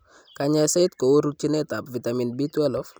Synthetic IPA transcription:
ka˨ɲa˨sɛ˦t̪ko˨wo˦ɾu˦t͡ʃi˦nɛ˦ta˨pvi˨t̪a˨mi˨nbi˦twɛ˦lɔ˦f

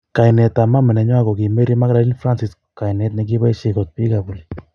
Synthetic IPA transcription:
ka˨jnɛ˨t̪a˨ma˦mɛ˨nɛ˨ɲwa˦kɔ˨ki˨me˦ɾi˦ma˦kla˨˦li˦nfɾa˦nsi˨skka˨jnɛ˦t̪nɛ˨k̬i˦ba˦i˦ʃɪ˨kɔ˨t̪̚pi˦ka˨bu˨li

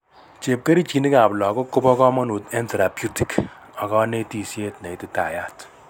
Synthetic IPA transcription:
t͡ʃe˨p̚ke˦ɾi˦t͡ʃi˨ni˦ka˨plɔ˨ko˦kːʊ˦pɔ˦kɔ˦mɔ˦nu˨te˦nte˨ɾa˨pju˦ti˨k | ɔ˨kɔ˦ne˦ti˨sje˦tna˨i˨tɪ˦ta̰˨ja˦t

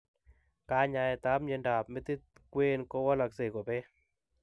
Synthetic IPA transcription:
ka˦ɲa˧ɛ˨t̪a˨˦mɲe˨˦nda˨pme˦t̪i˦t̪̚kwe˦nkɔ˦wɔ˦la˨kse˨kɔ˨pe˦

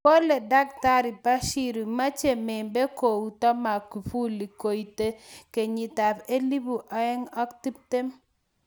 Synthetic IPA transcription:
kɔ˦le˨da˦k̚ta˦ɾi˨pa˦ʃi˦ɾi˨ma˦t͡ʃe˨me˨be˦ko˨u˨tɔ˦ma˨ku˨fu˦li˨ko˨i˨te˦ke˨ɲi˨ta˨pe˦li˦bu˨ʔa˨˦ɛ˦ŋɔ˦k̚ti˦p̚te˦m

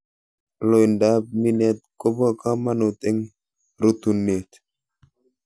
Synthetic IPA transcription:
lo˨jnda˦p̚mi˦nɛ˨t̪̚ko˦bɔ˦ka˦ma˦no˨t̪e˦ŋ | ɾo˨t̪u˨ne˨t̪

